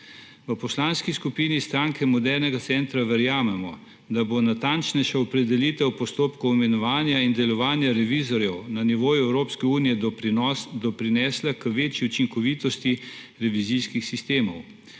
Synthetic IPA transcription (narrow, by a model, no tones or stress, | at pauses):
ʋəpɔslaːnskiskupiːnist̪ɾaːŋkɛmɔd̪ɛɾnɛɡat̪sɛnt̪ɾaʋɛɾjaːmɛmɔ̰ | d̪abonat̪ant͡ʃnɛjʃaɔpɾɛd̪ɛliːt̪ɛwpɔst̪oːpkɔwmɛnɔʋaːnjaind̪ɛlɔʋaːnjaɾɛʋiːzɔɾjɛwnaniʋoːjuɛwɾoːpskɛuːnijɛ | d̪ɔpɾinɛːslakəʋeːt͡ʃiut͡ʃiŋkɔʋiːt̪ɔst̪i | ɾɛʋiziskixsist̪eːmɔw